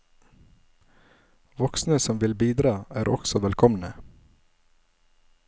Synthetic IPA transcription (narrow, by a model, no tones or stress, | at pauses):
ʋɔksn̩əsɔmʋɪlbiːd̪ɾɑːæːɾʔɔ̰ksɔʋɛlkʰɔmnə